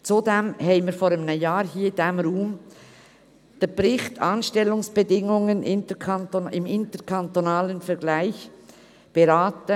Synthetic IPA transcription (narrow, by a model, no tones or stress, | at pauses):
t͡sudɛmhɛɪmiːɾfɔːɾəmnəjaːɾhiːd̥ɛmɾuːm | d̥ɛpɾɪχtʰɑːnʃtɛlʊŋsb̥edɪŋʊŋənʔɪntəkʰɑntoɪmɪntəɾkʰɑntonaːlənfɛɾɡ̥laɪç | b̥eɾaːtə